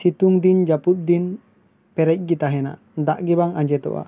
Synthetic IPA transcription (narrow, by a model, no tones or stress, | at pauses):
sit̪uŋd̪ind͡ʒaput̪̚d̪in | pɛɾɛc̚ˀɡit̪aɦɛna̰ | d̪aʔɡɛbaŋaɲd͡ʒɛt̪ɔ̰ʔa̰